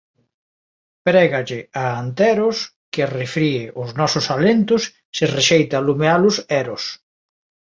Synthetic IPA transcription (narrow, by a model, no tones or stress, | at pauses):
pɾɛɣaʎɪaːnt̪ɛɾʊs | kɪrefɾiɪʔʊznɔsʊsalent̪ʊsː | ɪreʃejt̪aːlumealʊsɛɾʊs